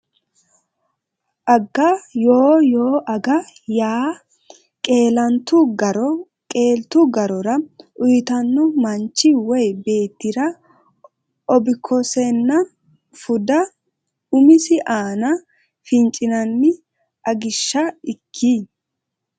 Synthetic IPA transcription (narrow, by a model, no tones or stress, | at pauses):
ʔɐɡːɐjoːjoːʔɐɡɐjaː | kʼeːlɐnt̪ʊɡɐɾɔ | kʼe̞ːlt̪ʊɡɐɾɔɾɐʔʊjɪt̪ɐnːʊmɐnt͡ʃːɪwɔjbe̞ːt̪ːɪɾɐ | ʔɔbɪkʰːɔsɛnːɐ | fʊd̪ɐ | ʊmɪsɪʔaːnɐ | fɪnt͡ʃʼɪnɐnːɪ | ʔɐɡɪʃːɐɪkʰːi